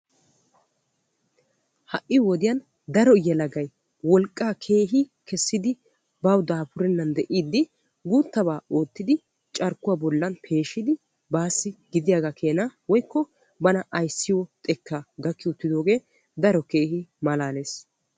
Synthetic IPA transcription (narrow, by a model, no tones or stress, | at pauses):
hɐʔɪwɔd̪ɪjɐn | d̪ɐɾɔjɛlɐɡɐj | wɔlkʼːaːkʰe̞ːɦɪkʰɛsːɪd̪ɪ | bɐwd̪aːpʊɾɛnːɐnd̪ɛʔiːd̪ːɪ | ɡuːt̪ːɐbaːoːt̪ːɪd̪ɪ | t͡ʃʼɐɾkːʊwabɔlːɐnpʰe̞ːʃɪd̪ɪ | baːsːɪɡɪd̪ɪjaɡakʰe̞ːnawɔjkːɔ | bɐnɐʔɐjsːɪwɔt̪ʼɛkʰːaɡ̪ɐkːɪʊt̪ːɪd̪o̞ːɡe̞ː | d̪ɐɾɔke̞ːhɪmɐlaːne̞ːs